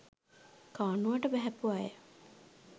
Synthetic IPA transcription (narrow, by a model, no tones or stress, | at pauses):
kaːnuʋaʈəbæɦæpuajə̰